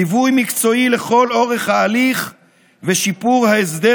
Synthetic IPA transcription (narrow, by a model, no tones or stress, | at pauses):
ivujmikt͡so̞ile̞χo̞lo̞ʁe̞χhaːliχ | veʃipuʁhaesd̪e